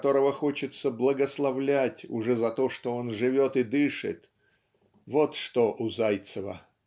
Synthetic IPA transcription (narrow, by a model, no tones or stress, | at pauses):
t̪o̞ɾəvəxo̞t͡ɕɪt̪səblˠəɡəslˠɐvlʲætʲʊ̰ʐɛzɐt̪o̞ʂt̪oonʐɨɪvʲo̞t̪ɨd̪ɨʂɨ̰t̪ | vo̞t̪ʂt̪oʔʊzajt̪səvə̰